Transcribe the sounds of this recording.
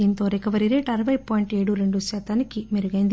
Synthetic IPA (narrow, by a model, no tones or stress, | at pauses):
iːnt̪o̞ːɾekɐʋɐɾiɾe̞ːʈɐɾɐʋɐjpaːjiɳʈe̞ːɽuɾe̞ɳɖuʃaːt̪aːnikimeɾuɡɐjind̪